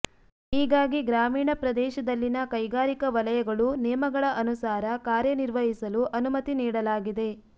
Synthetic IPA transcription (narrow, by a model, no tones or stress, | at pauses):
iːɡaːɡiɡɾaːmiːɳɐpɾɐd̪ɛːʃɐd̪ɐlːinɐkɐjɡaːɾikɐʋɐlɐjɐɡɐɭunɛːmɐɡɐɭɐʔɐnusaːɾɐkaːɾjɐniɾʋɐɦisɐluʔɐnumɐt̪iniːɽɐlaːɡid̪e̞